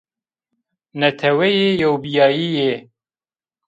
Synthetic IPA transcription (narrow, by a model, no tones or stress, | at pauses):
nɛt̪ʰɛwɛjeːjowbijɑːjije